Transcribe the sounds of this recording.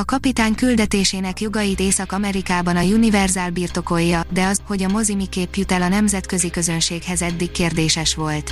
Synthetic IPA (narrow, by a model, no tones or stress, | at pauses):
ɒkɒpit̪aːɲkyld̪ɛt̪eːʃeːnɛkjo̞ɡɒjit̪eːsɒkɒmɛɾikaːbɒnɒjunivɛrzaːlbiːrt̪o̞ko̞jːɒd̪ɛɒzho̞ɟɒmo̞zimikeːpjut̪ɛlɒnɛmzɛt̪kø̞zikø̞zø̞nʃeːkhɛzɛd̪ːikkːeːrd̪eːʃɛʃʋo̞lt̪